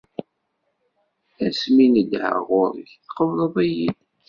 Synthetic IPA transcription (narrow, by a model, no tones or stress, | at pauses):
æsminədʕə̰ʁʊɾəçθqəvɾˤəðˤæjid̪